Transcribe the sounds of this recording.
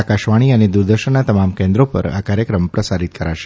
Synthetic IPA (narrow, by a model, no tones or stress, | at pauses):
akaʃʋaɽ̃iəned̪uɾd̪əɾʃəɳnat̪əmamkẽnd̪ɾopə̰ɾa̰kaɾjəkɾəmpɾəsaɾit̪̚kəɾaʃe̥